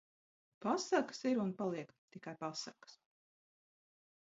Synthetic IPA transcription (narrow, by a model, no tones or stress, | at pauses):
pasakə̥siɾunpalˠiɛkt̪ikajpasakə̥s